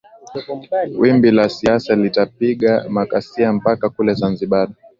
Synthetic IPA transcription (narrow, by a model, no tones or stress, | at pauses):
wimbilasiasalitapiɠamakasiam̩pakakulɛzanziɓaɗa